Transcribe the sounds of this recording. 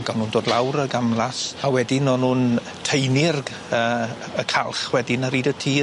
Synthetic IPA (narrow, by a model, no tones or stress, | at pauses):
ɡ̥anuːndoːdlˠawɾəɡamlˠasawɛdɪnɔnuːn | tʰejnɪrɡ | ə | əkʰalˠχwɛdɪnaɾiːdətʰiː